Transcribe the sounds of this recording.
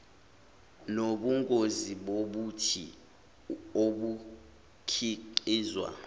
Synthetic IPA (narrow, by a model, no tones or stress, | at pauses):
noɓuŋkʼoziɓoɓutʰi | oɓu | kʰiǃiːzwa̰